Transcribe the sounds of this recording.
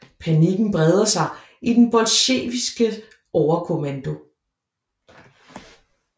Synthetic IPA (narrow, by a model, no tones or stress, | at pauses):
pʰæniɡ̥n̩b̥ʁɛð̞ˠɐsɑ̈ɪ | id̥enb̥ɒ̽lɕḛːʋisɡ̥ə | ʔɒʊɐkʰo̝mænd̥o̝